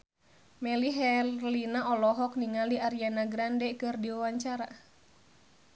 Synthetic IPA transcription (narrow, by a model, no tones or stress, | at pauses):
mɛliɦɛlinaʔɔlɔɦɔk̚niŋaliaɾianaɡɾandɛkɨrdiawaɲt͡ʃaɾa